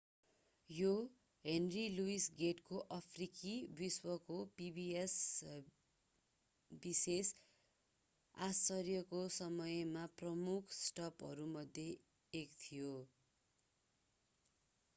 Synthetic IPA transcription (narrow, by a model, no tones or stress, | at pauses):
jo | ɦenriluisɡeʈkoʔʌpʰrikibiswʌkopibies | bises | asʌrjʌkosʌmʌjmaprʌmukʰsʈʌpʌ̰ɾumʌd̪ʱjeː | kt̪ʰijo